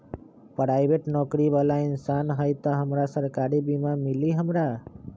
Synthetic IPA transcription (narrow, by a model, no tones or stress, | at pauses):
pɾaːjbʱeʈnɔːkɾiʋalaɪnsaːnɦəjt̪əɦəmɾasəɾkaːɾibimãmiliɦəmɾa